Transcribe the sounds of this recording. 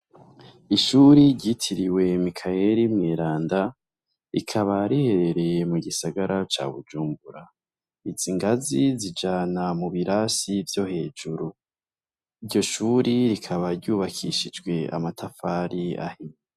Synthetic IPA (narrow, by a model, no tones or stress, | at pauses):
iʃuɾiɾɟitʰiɾiwe̞mikʰajeɾimŋeːɾaːnda | ḭkʰaβaɾihe̞ɾe̞ɾe̞jemuɡisaɡaɾʔat͡ʃa̰ːβṵd͡ʒuːmbuɾa | iziŋɡazizid͡ʒaːnamuβiɾasivjo̞he̞ːd͡ʒuɾu | iɾjo̞ʃuːɾiɾikʰaβaɾɟuːβakʰiʃid͡ʒɡwe̞a̰matʰafaːɾia̰him